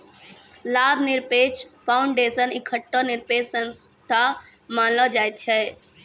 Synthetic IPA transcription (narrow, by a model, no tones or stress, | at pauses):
laːbʱnɪɾpeːt͡ʃpʰaːʊɳɖeːsənikʰːəʈːɔnɪɾpeːt͡ʃsənst̪ʰamaːnlɔd͡ʒaːjt̪̚t͡ʃʰɛ